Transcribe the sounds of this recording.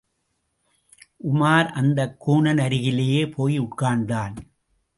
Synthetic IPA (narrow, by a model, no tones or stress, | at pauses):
ʔʊmaːɾʔɐnd̪ɐkːuːɳɐnɐɾɪɣɪleːjeːpʰoːjʊʈkaːɳd̪aːn